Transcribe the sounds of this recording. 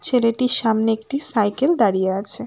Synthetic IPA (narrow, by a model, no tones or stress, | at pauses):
t͡ɕʰeleʈiɾʃamneek̚ʈisajkeld̪aɽijeat͡ɕʰe